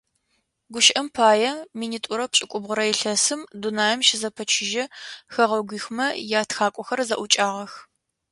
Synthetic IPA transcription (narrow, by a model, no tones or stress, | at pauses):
ɡʷʊʃʔɐmpʰaːjɛminiːtʼʊɾɐpt͡ʃʼɪkʷʼʊbʁʊɾɐjɪɬɐsɨmdunaːjɛmʃɪzɐpʰɐt͡ʃʰɪʒɐxɐʁɐɡʷiːxʷmɐjaːtxaːkʷʼɔxɐrzɐʔʷʊt͡ʃʼaːʁɐx